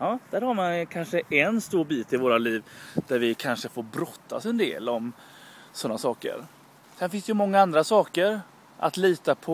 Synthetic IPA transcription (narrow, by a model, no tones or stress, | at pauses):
ɑːd̪̥æːɾhaɾmankʰanʂəʔɛnst̪uːɾbiːt̪ɪvoːɾaliːvd̪̥æɾvɪkʰanʂəfoːɾbɾɔt̪ʰːa̰sɛnd̪ḛːlɔm | sɔnːasɑːkə̰ɾ | sɛnfɪnstd̪ɛjɵmɔŋːaand̪ɾasɑːkəɾ | ʔa̰t̪liːt̪apʰɔ